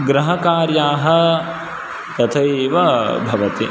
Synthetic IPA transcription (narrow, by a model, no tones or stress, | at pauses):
ɡɾɐɦɐkaːɾjaːɦɐ̆ | t̪ɐt̪ʰɐjiʋɐbʱɐʋɐt̪i